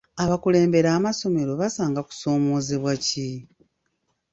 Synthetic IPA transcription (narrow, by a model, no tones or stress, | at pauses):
aβakule̞ːmbe̞ɾaːmaso̞me̞ɾo̞βasaːŋɡaku̥so̞ːmoːziβwaci